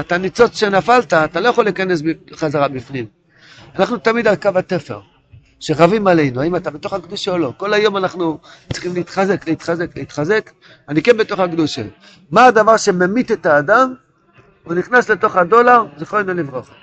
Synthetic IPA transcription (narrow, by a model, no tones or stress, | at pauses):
et̪anit͡so̞t͡sʃe̞nafalt̪aːt̪alo̞jaχo̞lːikane̞sbiχazaʁabifnim | anaχnut̪amid̪alkavatefḛʁ | ʃeʁavimale̞jnuaimat̪abet̪o̞χakduʃaolo̞ko̞lajo̞manaχnut͡siχimleit̪χaze̞kleit̪χaze̞kleit̪χaze̞k | anikenbe̞t̪o̞χakduʃḛ | maːd̪avaʁʃe̞memit̪et̪aːd̪am | uniχnasle̞t̪o̞χhad̪o̞laʁziχoenelivʁoχa